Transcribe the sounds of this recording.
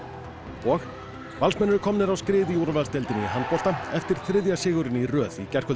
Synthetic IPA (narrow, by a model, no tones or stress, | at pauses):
ɔx | valsmɛnʏɾʏkʰɔmnɪɾawskɾɪːðɪjuwɾavɛðst̪ɛlt̪ɪnɪiɦant̪̚pɔl̥t̪aɛft̪ɪɾ̥θɾɪðjasɪːɣʏɾɪnirœːðicɛr̥kʰœl